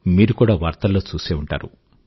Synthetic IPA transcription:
miːɾukuːɽaːʋaːɾt̪ɐlo̞ːt͡ʃuːseːuɳʈa̰ːɾṵ

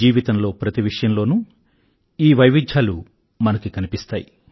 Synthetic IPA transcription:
iːʋit̪ɐmlo̞ːpɾɐt̪iʋiʂɐjɐmlo̞ːnu | iːʋɐjʋid̪ʱjaːlu | mɐnɐkikɐnipist̪aːji

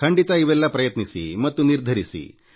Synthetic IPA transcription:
kʰɐɳɖit̪ɐiʋɛlːɐpɾɐjɐt̪nisḭmɐt̪ːuniɾd̪ʱɐɾisḭ

